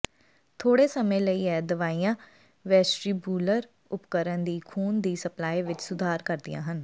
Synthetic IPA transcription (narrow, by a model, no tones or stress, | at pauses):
t̪ʰoːɽeːsəmẽːləiːɛːd̪əʋaːijãː | ʋɛːsɾiːbuːləɾ | ʊpkəɾənd̪iːkʰuːnd̪iːsəplaːiːʋɪt͡ʃsʊd̪ʱaːɾkəɾd̪ɪ̰jã̰ːɦən